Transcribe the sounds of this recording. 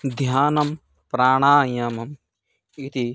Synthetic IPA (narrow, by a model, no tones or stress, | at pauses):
d̪ʱjaːnɐm | pɾaːɽ̃aːjɐmɐm | it̪i